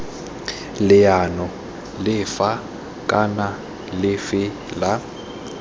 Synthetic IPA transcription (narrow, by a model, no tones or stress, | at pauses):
lɪjanɔ | lɪfa | kʼana | lɪfɪ | la